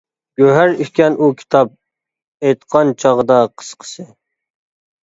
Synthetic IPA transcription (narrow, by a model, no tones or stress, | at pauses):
ɡ̥ʲøɦæɾikʲɛnukʲʰi̥t̪ʰɑp̚ | ejt̪qʰɑnt͡ʃʰɑʁəd̪ɑqʰə̥sqʰə̥sɨ